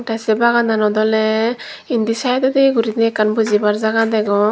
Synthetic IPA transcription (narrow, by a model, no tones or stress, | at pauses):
ʈasɛbaɡand̪anɔd̪ɔlɛ | ind̪isajt̪ɛd̪ɛɡuɾit̪nɛkanbud͡ʒibaɾzaɡad̪ɛɡɔ